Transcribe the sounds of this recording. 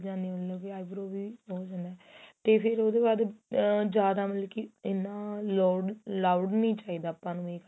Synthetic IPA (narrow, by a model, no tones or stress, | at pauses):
d͡ʒãːnd̪ĩləkiaːibɾoːʋioːd͡ʒãːnd̪ɛːt̪eːpʰɪɾoːd̪eːbaːd̪d͡ʒjaːd̪aːməlkiɪnːãːloɖlaʊɖnĩːt͡ʃaːiːd̪aːpːãːnũːeːk